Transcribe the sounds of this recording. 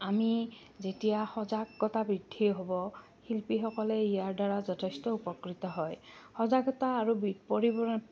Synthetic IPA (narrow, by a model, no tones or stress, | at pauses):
ami | zetijaxɔzaɡːɔtabɹidʱːiɦobɔ | hilpixɔkɔlɛijaɹdaɹazɔtʰestɔupɔkɹit̪ɔɦɔjxɔzaɡɔtaːɹubipoɹibɔɹɔn